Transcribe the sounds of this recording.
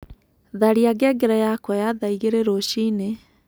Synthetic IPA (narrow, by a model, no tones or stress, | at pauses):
ðaɾiaɡɛɡeɾajakwajaðaiɣeɾeɾoɕine